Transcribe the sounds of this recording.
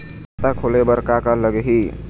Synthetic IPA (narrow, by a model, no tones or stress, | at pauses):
t̪akʰolebəɾkakələɡɦi